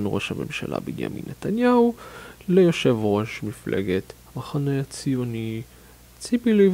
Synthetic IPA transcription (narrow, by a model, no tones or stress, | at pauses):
nʁo̞̰ʃhame̞̰mʃa̰lʔa̰binja̰mḭnːet̪anjahulejo̞ʃe̞vʁo̞ʃmiflʔḛɡet̪hamaχaneat͡sijoni | t͡sipilu